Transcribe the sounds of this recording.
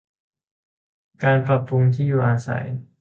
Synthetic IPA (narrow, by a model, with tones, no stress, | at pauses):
kaː˧npɾa˧pu˧ŋt̪ʰiː˥˩juː˨˩ʔaː˧sa̰˩˦j